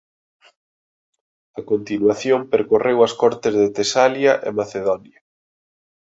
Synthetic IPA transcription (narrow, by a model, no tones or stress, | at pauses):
ɐkont̪inwaθjompeɾkorewɐskɔɾt̪ɪzðet̪esaljɐʔḛmaθeðɔnjɐ